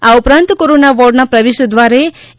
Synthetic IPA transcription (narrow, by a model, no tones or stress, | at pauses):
aʊpɾãnt̪koɾonaʋɔɾɖnapɾəʋeʃəd̪ʋaɾe